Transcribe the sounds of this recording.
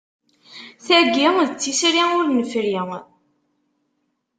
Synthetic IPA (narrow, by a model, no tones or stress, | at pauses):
θæɡiŋðət͡sːisɾiʊɾnəfɾiŋ